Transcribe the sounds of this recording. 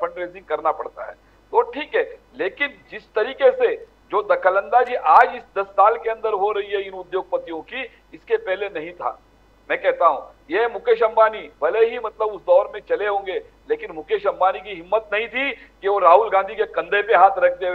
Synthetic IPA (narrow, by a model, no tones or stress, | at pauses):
pɐ̃ɳʈɾeːzɪ̃ŋɡ̚kɐɾnapɐɽt̪a̰ɦɛ̰ː | t̪oʈʰiːkɦɛːleːkɪnd͡ʒɪst̪ɐɾiːkese | d͡ʒoːd̪ɐkʰələ̃nd̪ad͡ʒiːʔaːd͡ʒɪsd̪ɐsːaːlkeɐ̃nd̪əɾɦoɾɐɦiɦɛɪnʊd̪joːɡ̚pɐt̪ijõki | ɪskepɛɦlenɐɦĩt̪ʰa̰ː | mɛ̃ːkɛɦt̪aɦṵ̃ | jeɦmʊkʰeːʃə̃mbaːnibɐleɦimɐt̪ləbʊsd̪ɔːɾmẽt͡ʃɐleɦõːŋɡe | leːkɪnmʊkʰeʃɐ̃mbaːnikiɦɪmːət̪̚nɐɦĩt̪ʰikeʋoɾaːɦulɡãːnd̪ʱikekɐ̃nd̪ʱepeɦaːt̪ʰɾɐk̚ʰd̪e